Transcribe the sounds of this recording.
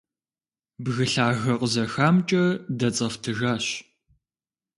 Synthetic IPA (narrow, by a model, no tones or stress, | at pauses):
bɣɨɬaːɣɐqəzɐxaːmt͡ʃʼɐdɐt͡sʼɐftʰɨʒaːɕ